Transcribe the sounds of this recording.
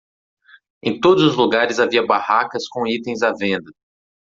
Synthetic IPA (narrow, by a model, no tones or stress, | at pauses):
ẽj̃t̪od̪ʊzʊzluɡaɾɪzaviɐbahakɐskõit̪ẽj̃zavẽnd̪ɐ